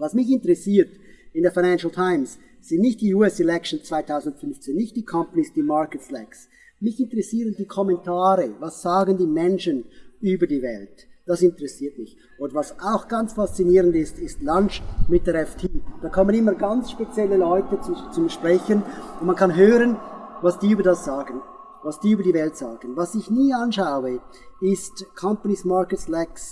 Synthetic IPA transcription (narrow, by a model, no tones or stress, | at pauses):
vasmɪçɪntəʁɛsiːt | ɪndeːɐfaɪnænʃl̩tʰaɪmsː | ɪndnɪçt̚d̥iːuːɛsɛlɛkʃən̩t͡sv̥aɪtʰaʊzn̩tfʏnft͡seːnːɪçtd̥iːkʰɔmpanisd̥iːmaɹkətflɛks | mɪçɪntəʁɛsiːʁəndiːkʰɔmɛntʰaːɾəvasz̥aːɡəndiːmɛnʃənyːbɐdiːvɛ̰ltd̥asɪntəʁɛsiːɐtmɪç | ʔoːdəvasaʊxɡ̥ɑnt͡sfast͡siniːʁəndɪstɪstlant͡ʃmɪt̚d̥ɛɾɛftʰiːd̥aːkʰɔmənɪməɐɡant͡sʃpet͡sjɛlːəlɔʏtət͡sut͡sʊmʃpʁ̥ɛçənʊntmankʰɑnɦøːʁənvasd̥iːyːbɐdasz̥aːɡən | vasd̥iːyːbəɐdiːvɛltsaːɡ̥ənvasɪçniːɑnʃaʊə | ɪstkʰɔmpanismakətlɛks